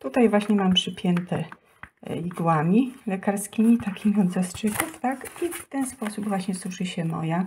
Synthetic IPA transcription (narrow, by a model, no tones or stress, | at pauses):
t̪ut̪ajvwaɕɲɛmampʂɘpʲjɛnt̪ɛ | iɡwamʲilɛkaɾskʲimʲit̪akʲimʲiɔd̪zast͡ʂɘkuft̪akift̪ɛnspɔsubvwaɕɲɛsuʂɘɕɛmɔ̰ja